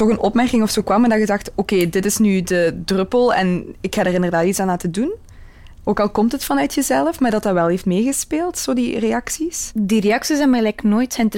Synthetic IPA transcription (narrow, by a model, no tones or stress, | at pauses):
tɔxənɔpmɛrkɪŋɔfsoːkʋɑmɛndɑɣədɑxtokeːdɪtɪsnydədrɵpəlˠɛ̰nɪkxadərɪndərdaːtitsaːnaːtədun | ʔoːkɑlˠkɔmtɦətfɑnœɥtʰjəzɛləfmaːrdɑtaʋɛlˠɦeftmeːɣəspeːlˠtsoːdireɑksisdireɑksisɛnmɛlɛknoːjtsɛnt